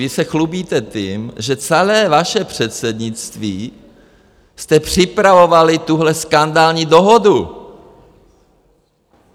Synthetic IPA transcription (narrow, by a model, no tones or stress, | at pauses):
ɪsɛxlubiːt̪ɛt̪imʒɛt͡sɛlɛːvaʃɛpr̝̥ɛt̪sɛd̪ɲɪt͡st̪viː | st̪ɛpr̥ɪpɾavovalɪt̪uɦlɛskand̪aːlɲiːdo̞ɦodu